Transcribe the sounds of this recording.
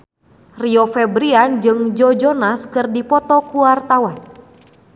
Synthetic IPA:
riɔfɛbɾiand͡ʒɨŋd͡ʒɔd͡ʒɔnaskɨrdipɔt̪ɔkuwart̪awan

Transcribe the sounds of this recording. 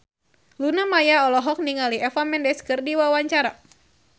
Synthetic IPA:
lunamajaɔlɔɦɔk̚niŋaliɛfamɛndɛskɨrdiwawaɲt͡ʃaɾa

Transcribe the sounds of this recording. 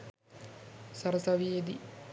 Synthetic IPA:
sɐɾɐsɐʋied̪i

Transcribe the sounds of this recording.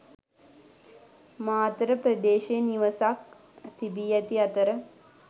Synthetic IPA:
maːt̪ɾəpɾəd̪eːʃejəniʋəsak̚ | t̪ibiːɛt̪iɐt̪əɾə

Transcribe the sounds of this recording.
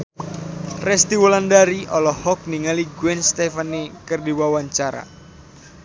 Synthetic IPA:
rɛst̪iwɔlandaɾiʔɔlɔhɔk̚niŋaliɡwɛnst̪ɛfanikɨrdiwawaɲt͡ʃaɾa̰

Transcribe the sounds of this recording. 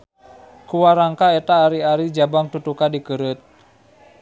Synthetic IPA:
kuwaɾaŋkaɛt̪aːɾiaɾid͡ʒabaŋt̪ut̪ukadikəɾɨt̪̚

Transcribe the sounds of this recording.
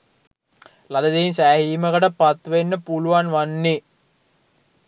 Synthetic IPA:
lad̪əd̪einsæːɦiːməkəʈəpat̪ʋenːəpuluʋanʋanːi

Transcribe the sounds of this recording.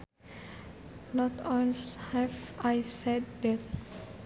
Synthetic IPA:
nɔt̪ɔ̃nshɛvajsɛd̚dɛt̪̚

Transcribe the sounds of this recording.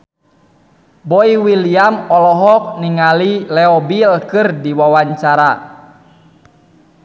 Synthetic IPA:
bɔiwiliamɔlɔɦɔk̚niŋalilɛɔbilkɨrdiwawaɲt͡ʃaɾa

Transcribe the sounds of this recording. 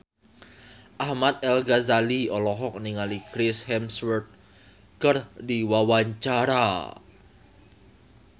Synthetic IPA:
ʔahmat̪̚ɛlɡazaliɔlɔɦɔk̚niŋalikɾɪshɛmswərt̪̚ | kərdiwawaɲt͡ʃaɾa

